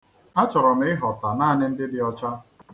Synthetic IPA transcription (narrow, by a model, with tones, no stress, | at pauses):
a˦t͡ʃɔ˨ɾɔ˨m˨˦ɪ˦ɦɔ˨ta˨naː˦a˨nɪ˦n̩˦dɪ˦dɪ˦ɔ˦t͡ʃa˦